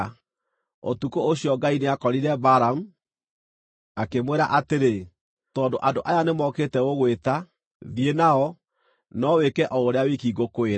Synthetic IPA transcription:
o̰tukooɕijɔɡaineakɔɾiɾɛbaɾamu | akemweɾaʔateɾe | tɔndoʔandoʔajanemɔketɛoɣweta | ðienaɔ | nɔwekɛʔɔoɾeawikiɡokoeɾa

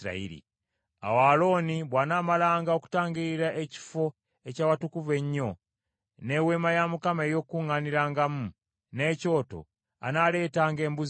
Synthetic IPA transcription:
ɾa̰ḭɾḭ | a̰waːlo̞ːniβwaːnaːmalaːŋɡao̞ku̥taːŋɡiiɾaʔeci̥fo̞ | ecaːwatukuve̞ɲːo̞ | ne̞we̞ːmajamukamejo̞ːkuŋaniɾaːŋɡamu | neːco̞ːto̞̰ | a̰nale̞ːtaːŋɡe̞ːmbuz

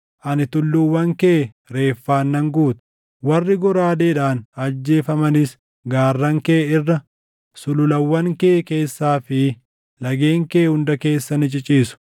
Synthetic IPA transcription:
ʔɐnɪt̪ʊlːʊwːɐŋke | ɾe̞ːfːaːnːɐŋɡuːt̪ʊ̥ | wɐrːɪɡɔɾaːd̪eːᶑaːnɐd͡ʒːe̞ːfɐmɐnɪs | ɡaːrːɐŋkeːɪrːɐ | sʊlʊlɐwːɐŋkeːke̞ːsːaːfɪ | lɐɡe̞ːŋkeːhʊnd̪ɐke̞ːsːɐnɪt͡ʃʼɪt͡ʃʼiːsʊ̥

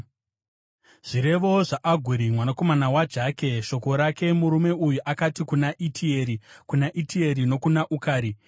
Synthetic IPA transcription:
ʐ̥iɾe̞ʋo̞ʐaʔaɡʱuɾimwanako̞manawad͡ʒaːke̞ʃo̞ko̞ɾake̞muɾume̞ujuʔakatikunaʔitʰieɾikunaʔitie̞ɾino̞kunaʔukaːɾi

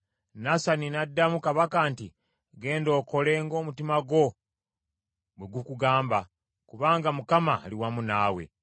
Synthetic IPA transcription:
nasaninadːamukaβakaːnti | ɡe̞ːndo̞ːko̞le̞ŋɡo̞ːmutimaɡo̞ | bwe̞ɡukuɡaːmba | kuβaːŋɡamukamaːliwamunaːwe̞̰

